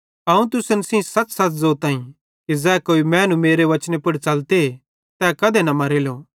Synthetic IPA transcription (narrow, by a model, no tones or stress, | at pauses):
ɐũt̪ʊsənsĩsɐt͡ssɐt͡szoːt̪ãːĩ | kizɛːkoːimɛ̃ːnũmeːɾeʋɐt͡ʃnepʊɽt͡ʃɐlt̪e | t̪ɛːkɐd̪enɐmɐɾeːloː